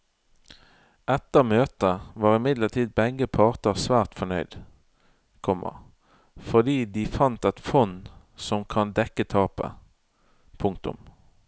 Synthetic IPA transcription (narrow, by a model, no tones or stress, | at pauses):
ʔɛt̪əmøːt̪əʋɑːʁɪmɪd̪ləʁt̪ʰiːd̪̚bɛɡəpʰɑʁt̪əʁsʋæːʁt̪fɔnœʏd̪ | kʰɔmːʔə̰ʁ | fɔʁd̪iːd̪iːfɑnt̪ɛt̪fɔn | sɔmkʰɑnd̪ɛkət̪ʰɑːpə̰ | pʰʊŋk̚t̪ʊ̰m